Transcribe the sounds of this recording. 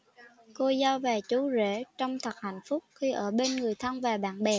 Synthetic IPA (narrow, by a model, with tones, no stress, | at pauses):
ko˧zɔ˧vɛː˨˩t͡ɕu˨˦zḛ˧˩t͡ɕɔ˧wŋ͡mt̪ʰə˨˩k̚ha˧˩˨jŋ̟fʊ˦˥k͡p̚xi˧ʔəː˧˩ɓe˧nŋɨ˨˩əjt̪ʰə˧nvaː˨˩ɓa̰ː˧˨nɓɛ˨˩